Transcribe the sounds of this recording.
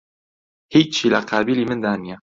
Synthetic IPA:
hiːt͡ʃt͡ʃʰiːlaqʰaːbiːliːmɨnd̪aːnijɛ

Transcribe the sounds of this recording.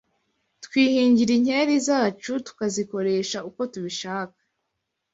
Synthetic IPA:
tkwiːhiːɲɟiɾiɲhe̞ːɾizaːt͡ʃutu̥kaziko̞ɾe̞ːʃauko̞tuβiʃaːkḁ

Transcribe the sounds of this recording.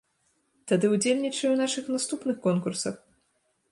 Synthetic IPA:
t̪ad̪ɨud͡zʲelʲnʲit͡ʂɐjuwnaʂɨxnast̪upn̪ɨxkɔnkursɐx

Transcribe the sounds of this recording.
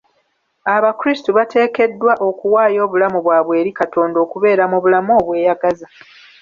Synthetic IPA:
aβakuɾistuβate̞ːke̞dːwaʔo̞kuwaːjo̞ːβulamuβwaːβwe̞ːɾikato̞ːndo̞ːkuβe̞ːɾamuβulamoːβwe̞ːjaɡaza

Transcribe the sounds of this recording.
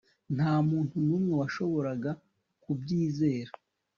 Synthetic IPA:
n̥haːmuːntunuːmŋe̞waʃo̞βo̞ɾaɡa | kubɟiːze̞ːɾa

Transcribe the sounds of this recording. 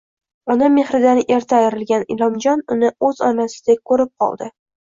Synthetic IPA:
ɒnamːe̞χɾɪd̪anʔe̞ɾt̪ʰaːjɪɾɪlɡʲanɪ̰lˠɒmd͡ʒɒnʊnɪɵzɒnasɪ̥d̪akʰɵɾɪp̚qʰɒ̰lˠd̪ɪ

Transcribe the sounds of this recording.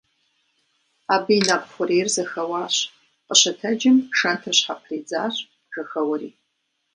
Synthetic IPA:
aːbɨinaːpxʷʊɾeːrzɐxɐwaːɕ | qʼəɕɐtʰɐd͡ʒɪmʂɐntʰɨrɕħapʰriːd͡zaːɕ | ɡɐxɐwɐɾḭː

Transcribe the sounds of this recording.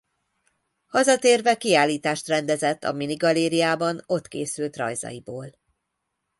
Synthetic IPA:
hɒzɒt̪eːrvɛkiaːlːiːt̪aːʃt̪rɛnd̪ɛzɛt̪ːɒ̰miniɡɒleːɾiaːbɒno̞t̪keːsylt̪rɒ̰jzɒ̰jiboːl

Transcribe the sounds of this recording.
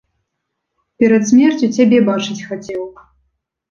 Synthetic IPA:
pʲɛɾɐt̪sʲmʲɛrt͡sʲut͡sʲabʲɛbat͡ʂɨt͡sʲxat͡sʲɛwˠk

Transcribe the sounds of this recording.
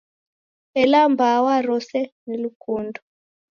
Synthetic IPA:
ɛlambawaɾɔsɛnelukuːndɔ

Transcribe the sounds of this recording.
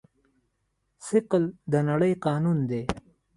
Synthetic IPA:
sɪqld̪ənaɽəjqɑːnund̪e

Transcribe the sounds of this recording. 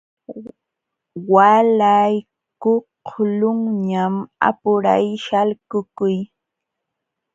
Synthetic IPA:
walaj | koqʰlʊŋɲama̰pʊɾa̰jʃalkʊkʊj

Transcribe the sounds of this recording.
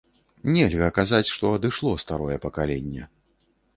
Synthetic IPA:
nʲɛlʲɣɐkazat͡sʲʂt̪ɔɐd̪ɨʂlˠɔst̪aɾɔjɛpɐkalʲɛnʲːɛ̰

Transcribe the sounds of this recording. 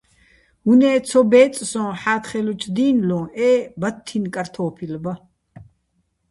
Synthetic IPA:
hunɛːt͡sʰɔbɛːt͡sʼsɔ̃ːħaːt̪χɛlut͡ʃʰd̪iːnlɔ̃ːɛːbat̪ʰːinkʼaɾt̪ʰɔːpʰilba

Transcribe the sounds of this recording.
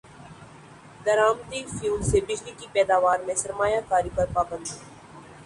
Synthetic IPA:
d̪ɐɾaːmt̪ifuːlsebɪd͡ʒlikipɛːd̪aːʋaːɾmẽsɐɾmaːjakaːɾipɐɾpaːbə̃nd̪

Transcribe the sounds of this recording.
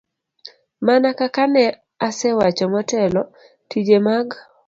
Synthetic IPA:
manakakanɛ | asɛwat͡ʃɔmɔtɛlɔ | tid͡ʒemaɡ

